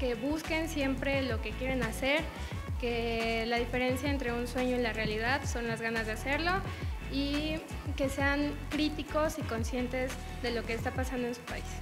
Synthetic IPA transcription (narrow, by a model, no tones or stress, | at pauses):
ke̞βuske̞nsje̞mpɾe̞lo̞ke̞kje̞ɾe̞nase̞ɾ | ke̞laðife̞ɾe̞nsjaent̪ɾe̞unswe̞ɲo̞ilarealiðaðso̞nlazɣanazðe̞ase̞ɾlo̞ike̞se̞aŋkɾit̪iko̞siko̞nsje̞nt̪e̞z | ðe̞lo̞ke̞ːst̪apasand̪oensu̥pa̰is